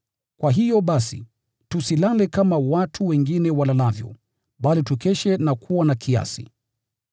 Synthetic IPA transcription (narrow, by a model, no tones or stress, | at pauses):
kwaɦijɔɓasḭ | tusilalɛkamawatʰuwɛŋɡinɛwalalavjɔ̰ | ɓalitukɛʃɛnakʰuwanakʰia̰sḭ